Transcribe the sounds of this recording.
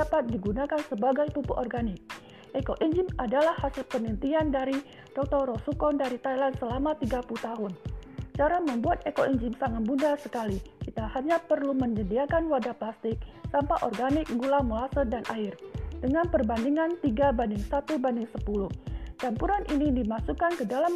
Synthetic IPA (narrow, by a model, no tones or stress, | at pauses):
apat̪̚diɡunakansəbaɡajpupṵʔɔrɡanɪk̚ | ʔekoʔiɲd͡ʒɪmadalahasɪlpənənt̪iandaɾi | d̥ɔk̚t̪ɔɾɔsukɔndaɾit̪ajlandsəlamat̪iɡapulut̪aɦʊnt͡ʃaɾaməmbuat̪̚ekoʔiɲd͡ʒɪmsaŋat̪̚bundasəkalikit̪ahaɲapərluməɲədiakanwadaplast̪ɪk̚sampaʔɔrɡanɪk̚ɡulamulasədanʔaɪrdəŋanpərbandiŋant̪iɡabandɪŋsat̪ubandɪŋsəpuluht͡ʃampuɾanʔinidimasukankədala